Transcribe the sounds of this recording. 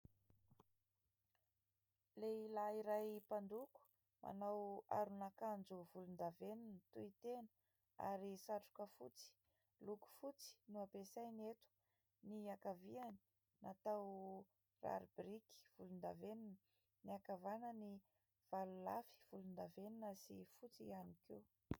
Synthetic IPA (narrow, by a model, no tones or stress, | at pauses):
leilaiɾajpaɳɖ͡ʐuku̥ | mʔa̰nawa̰ɾunakand͡zuvulund̪avenint̪uit̪enə̥ | a̰ɾisaʈ͡ʂu̥kəfut͡si̥ | luku̥fut͡si̥nuapesajnet̪u̥ | niakaviani̥ | nat̪aw | ra̰ɾibriki̥v̥ulund̪a̰veninə | niakavanəni | v̥alulafi̥v̥ulund̪aveninəsḭfut͡sianike